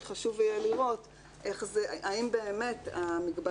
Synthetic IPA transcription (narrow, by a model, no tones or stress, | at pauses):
d̥̪χaʃuvjeliʁo̞t̪ | ʔe̞χzeʔaimbeːme̞t̪amiɡba